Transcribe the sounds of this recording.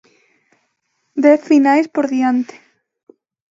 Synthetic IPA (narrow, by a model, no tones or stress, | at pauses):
d̪ɛθfinajspoɾðiant̪e̥